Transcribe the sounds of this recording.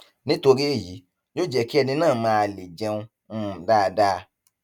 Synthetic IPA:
nĩ˦to˧ɾi˦˨ji˨˦ | d͡ʒo˦˨d͡ʒɛ˨ki˦ɛ˧nĩ˧nãː˦˨mãː˧˦a˧le˨d͡ʒɛ̃˧ũ˧˦˨ | daː˦˧da˦˧

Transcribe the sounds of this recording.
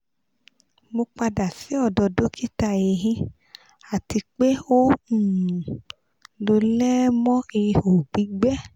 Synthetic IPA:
mo˧k͡pa˧da˨si˨˦ɔ˦˨dɔ˧do˦kʰi˦ta˧˨e˨ɦĩ˧ | a˨ti˧k͡pe˦o˦u˦˨ | lo˧lɛ˦mɔ̃˦i˧o˨ɡ͡bi˨˦ɡ͡bɛ˦

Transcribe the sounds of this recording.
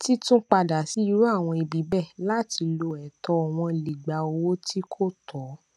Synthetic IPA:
ti˦tũ˦k͡pa˧da˨si˨˦i˦ɾu˦a˦˨w̃ɔ̃˧i˧bi˨˦bɛ˦˨la˦ti˧lo˧ɛ˨tɔ˧˨w̃ɔ̃˧˨li˨ɡ͡ba˨o˧wo˦ti˦kʰo˦˨tɔ˨˦

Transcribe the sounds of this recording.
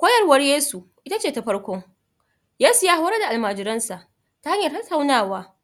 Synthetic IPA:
kʷoː˦jɐ˦rwɐ˦rjeː˦su˨ | ʔɪ˦ta˦t͡ʃeː˦˨ta˨ɸɐ˦ɽkʷʊ˦ŋ | jaː˦su˨jaː˦ha˦wɾa˦da˨ʔa˨lmaː˨d͡ʒɪ˨ɾɐ˦nsa˨ʔ | ta˦ha˦ɲjɐ˨tɐ˦tːa˨wnaː˦˨waː˦

